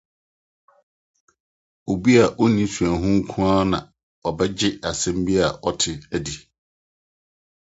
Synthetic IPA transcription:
o˨bi˦a˨ʔo˦nĩ˦su˨æ̃˨ɦʊ̃˦ŋ̩˦kʰũ˦a˦nã̰˨ | ɔ˨bɛ˦d͡ʑɪ˦a˨sɛ̃˦m˦bi˦a˨ʔɔ˦tʰɪ˦æ˨di˨

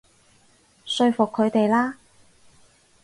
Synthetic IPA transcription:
sɵ˧ɥfʊ˨kʰːɵ˨˧ɥt̪e˨jlaː˥

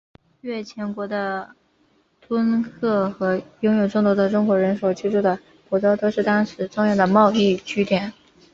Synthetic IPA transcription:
ɥɛ˥˩t͡ɕʰjɛ˧˥nkwɔ˧˥d̪ə˧ | t̪ʰwə˥nkʰɤ˥˩xɤ˧˥jʊ˥ŋjo˨˩ʊʈ͡ʂʊ˥˩ŋt̪wɔ˧˥d̪ə˧ʈ͡ʂʊ˥ŋkwɔ˧˥ɻə˧˥nʂo˨˩ʊt͡ɕi˥ʈ͡ʂu˥˩d̪ə˩ | pu˨˩t͡so˥ʊt̪o˥ʂɻ̩˥˩t̪ɑ˥ŋʂɻ̩˧˥ʈ͡ʂʊ˥˧ŋjɑ˥˩ʊd̪ə˩mɑ˥˧ʊi˥˩t͡ɕʰy˥t̪jɛ˨˩˦n

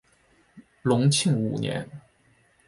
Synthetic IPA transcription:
lʊ˧˥ŋt͡ɕʰi˥˩ŋṵ˨˩njɛ̰˧˥n

